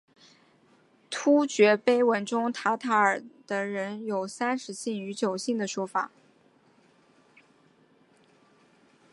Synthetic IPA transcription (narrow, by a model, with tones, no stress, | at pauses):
t̪ʰu˥t͡ɕɥɛ˧˥pe˥ɪwə˧˥nʈ͡ʂʊ˥ŋt̪ʰa˧˥t̪ʰa˧˥ə˞˨˩d̪̥ə˦ɻə˧˥njo˨˩ʊsa˥nʂɻ̩˧˥ɕi˥˩ŋy˧˥t͡ɕjo˨˩ʊɕi˥˩ŋd̪ə˩ʂwɔ˥fa̰˨˩˦